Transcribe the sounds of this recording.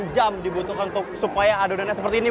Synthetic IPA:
d͡ʒamdibut̪ukanunt̪ʊk̚supajaːdodanasəpərt̪iːni

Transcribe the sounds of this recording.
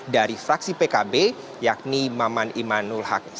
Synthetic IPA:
daɾifɾaksipekabe | jak̚nimamanimanulhak

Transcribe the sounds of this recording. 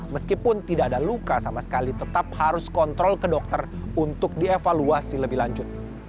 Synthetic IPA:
məskipʊnt̪idaːdalukasamasə̥kalit̪ət̪ap̚haɾʊskɔnt̪ɾɔlkədɔk̚t̪ərunt̪ʊk̚diefaluasiləbɪhlaɲd͡ʒʊt̪̚

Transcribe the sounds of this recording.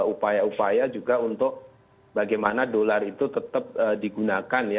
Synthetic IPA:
upajaupajad͡ʒuɡaunt̪ʊk̚ | baɡajmanadolarit̪ut̪ət̪əp̚ədiɡunakanja

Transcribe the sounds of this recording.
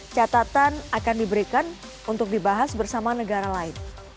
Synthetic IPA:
t͡ʃat̪at̪anakandibəɾikan | unt̪ʊk̚dibaɦasbərsamanəɡaɾalaɪn

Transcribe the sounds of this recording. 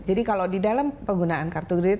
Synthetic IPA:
d͡ʒadikalawdidalampəɡunaankart̪uɡɾi

